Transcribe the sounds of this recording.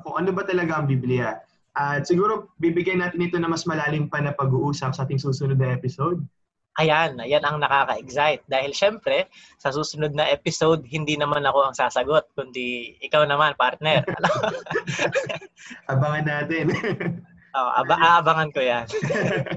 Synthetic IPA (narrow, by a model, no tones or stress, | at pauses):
poʔɐnobɐt̪ɐlɐɡaʔɐŋbiblɪjɐ | ʔɐt̪̚sɪɡuːɾo̞bibɪɡjajnaːt̪ɪnɪt̪o̞nɐŋmɐsmɐlaːlɪŋpɐnɐpɐɡuʔuːsɐp̚sɐʔaːt̪ɪŋsuːsʊnod̪nɐʔɛpɪsowd̪̚ | ʔɐjanjanɐŋnɐkaːkɐʔɛɡsajt̪̚d̪aːhɪlʃɛmpɾɛ | sɐsuːsʊnod̪̚nɐʔɛːpɪsowd̪̚hɪnd̪iːnɐmanɐko̞ɐŋsaːsɐɡo̞t̪̚kʊnd̪iʔɪkawnɐmanpaɾt̪̚nɛɾɐ̰no | ʔɐbaŋɐnːaːt̪ɛn | ʔoʔʔɐ̰baʔaʔɐbaŋɐnkojan